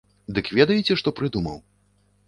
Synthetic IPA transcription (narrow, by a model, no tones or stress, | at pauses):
d̪ɨkvʲɛd̪ɐjit͡sʲɛʂt̪ɔpɾɨd̪umɐ̰w